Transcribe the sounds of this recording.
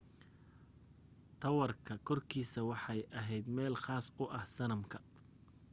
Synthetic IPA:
t̪ʰɐwɐrkʰɐkʰɔrkʰiːsɐwɑħɑjʔɐɦɛjd̪mɛːlχaːsʊʔɐhsɐnɐmkʰɐ̥

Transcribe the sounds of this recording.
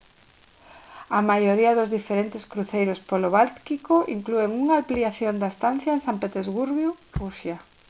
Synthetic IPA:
amajoɾiɐðʊzðifeɾent̪ɪskɾuθejɾospoloβalt̪kikoʔiŋklueŋuŋaampliaθjond̪aest̪an̟θjɐensampet̪ezɣuɾβjurusja

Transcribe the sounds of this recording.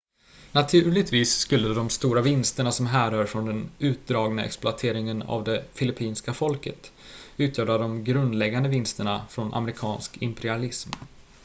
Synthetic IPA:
nat̪ʰʉ̟ːɭɪɡt̪viːsːkɵlːəd̪ɔmst̪uːɾavɪnst̪əɳasɔmɦæːɾœːɾfɾɔnd̪ɛnʉ̟ːt̪̚d̪ɾɑːɡnaɛ̰ksplʊat̪ʰeːɾɪŋəna̰vd̪ɛfɪlɪpʰiːnskafɔlkə̰t̪ | ʉ̟ːt̪ʰjœːɾad̪ɔmɡɾɵnd̪lɛɡːand̪əvɪnst̪əɳafɾɔnʔa̰mɾɪkʰɑːnskɪmpɛɾɪalɪsm

